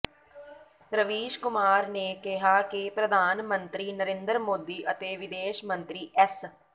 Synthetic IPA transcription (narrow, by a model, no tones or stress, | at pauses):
ɾəʋiːʃkʊmaːɾneːkɪɦaːkɪpɾəd̪ʱaːnmə̃nt̪ɾiːnəɾẽːnd̪əɾmoːd̪iːʔət̪eːʋɪd̪eːʃmə̃nt̪ɾiːʔɛs